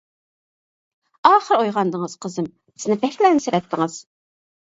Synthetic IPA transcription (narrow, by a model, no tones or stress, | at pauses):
ɑːχəɾojʁɑnd̪əŋəz̥qʰəzɨm | b̥ɪz̥nɪbɛkʲlɛnsɪɾɛt̪ʰːɪŋəz̥